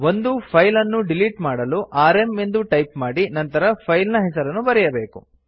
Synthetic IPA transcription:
ʋo̞nd̪upʰɐjlɐnːuɖiliʈmaːɽɐluʔaːɾe̞mend̪uʈɐjpmaːɽinɐnt̪ɐɾɐpʰɐjlnɐɦɛsɐɾɐnːubɐɾɛjɐbe̞ːku

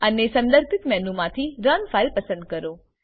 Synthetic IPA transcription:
ənesə̃nd̪əɾt̪ɪt̪mɛɦnũmãt̪ʰiɾənfaɪlpɐsə̃nd̪̚kəɾoː

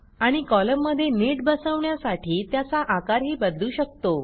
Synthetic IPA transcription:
aɽ̃ikɔləmːəd̪ʱːjeneʈ̚bəsəʋɳjasaʈʰiːt̪jat͡saʔakaɾɦiːbəd̪luːɕək̚t̪o

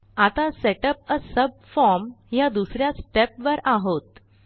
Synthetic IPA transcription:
at̪aseʈəp̚əsəb̚fɔɾmjad̪usɾjasʈepʋəɾaɦot̪

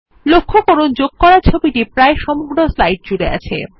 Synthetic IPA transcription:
lokʰːokoɾond͡ʑoɡ̚kɔɾaɾt͡ɕʰobiʈipɾaeʃɔmoɡɾoslajʈ̚d͡ʑuɽea̰t͡ɕʰḛ

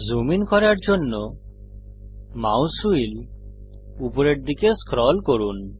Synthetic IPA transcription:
zominkɔɾaɾd͡ʒonːo | ma̰wsuil | upɔɾeɾd̪ikeskɾɔlkoɾun

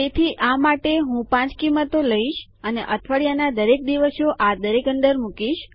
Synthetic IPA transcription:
t̪et̪ʰiʔamaʈeɦũpãt͡ʃkimːət̪oləiʃ | əneʔət̪ʰʋəɭijanad̪əɾek̚d̪iʋəsoʔad̪əɾekə̃nd̪əɾmukiʃ

